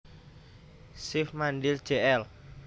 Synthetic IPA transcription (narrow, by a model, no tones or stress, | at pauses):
sɪfmanɖɪl̥ʒ̥eʔɛl